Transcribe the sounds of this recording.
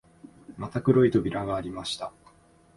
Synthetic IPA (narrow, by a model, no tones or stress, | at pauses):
mat̪akɯ̟ɾo̞it̪o̞bʲiɾaɡaːɾʲimaɕi̥t̪a